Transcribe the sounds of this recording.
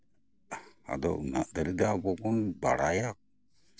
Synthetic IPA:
a̰d̪ɔ̰ʔna̰ʔd̪əɾid̪abɔkɔnba̰ɽajak̚

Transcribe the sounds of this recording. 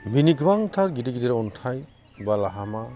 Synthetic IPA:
biniɡwaŋtʰaɾɡidiɡidiɾɔɔntʰaj | balaɦama

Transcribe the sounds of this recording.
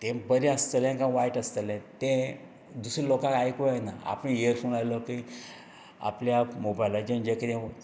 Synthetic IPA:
t̪ẽbəɾiəst̪əlɛ̃kãʋaiʈəst̪əlɛ̃t̪ẽ | d̪usɾilokãkajikoajnaa̰pəñeəɾfonajlɔki | a̰pljamobajlad͡ʑend͡ʑekɾɛ̃

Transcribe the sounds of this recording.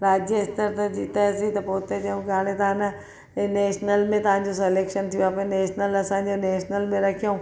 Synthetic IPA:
ɾaːd͡ʑjəɪst̪əɾt̪ɐd͡ʑiːt̪aɐsit̪ɐpoːt̪ed͡ʒũkaːɽẽt̪ɐɦãnɐ | neːʃnəlmẽt̪ɐɦãːɲd͡ʑoseleːkʃənt̪ʰijõaːpeneːʃnəlɐsãːd͡ʑoneːʃnəlmẽɾɐkʰijõː

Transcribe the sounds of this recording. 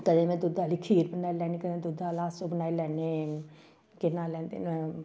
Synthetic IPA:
kəd̪ẽmẽd̪ʊd̪ʱaːlikʰiːɾbənaːilɛnĩkəd̪ẽd̪ʊd̪ʱaːlãːsobənaːilɛːnen | kɪnaːlɛnt̪ḭn

